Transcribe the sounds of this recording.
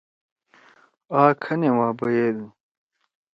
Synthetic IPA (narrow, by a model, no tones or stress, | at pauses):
aːkʰɐnewãːbɐjeːd̪u